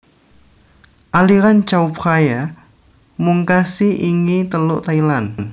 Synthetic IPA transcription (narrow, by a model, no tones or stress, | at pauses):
ʔaliɾant͡ʃaupχaja | muŋkasiʔiŋit̪əlʊʔt̪ailann